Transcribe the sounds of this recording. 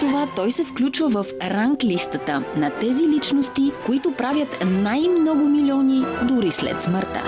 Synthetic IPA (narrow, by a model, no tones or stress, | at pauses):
t̪ovat̪ɔjsɛfklʲut͡ʃvəvəfɾaŋklist̪ət̪ənɐt̪ɛzilit͡ʃnost̪ikoit̪ʊpɾavʲjət̪najmnɔɡʊmilʲiɔnid̪uɾislɛ̰t̪sməɾt̪ə̰